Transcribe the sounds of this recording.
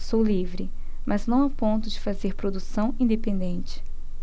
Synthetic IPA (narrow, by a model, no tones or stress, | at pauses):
sowlivɾɪ | mʔaznɐ̃w̃apõnt̪ʊd͡ʒɪfazeɾpɾod̪usɐ̃w̃ĩnd̪epẽnd̪ẽnt͡ʃɪ̥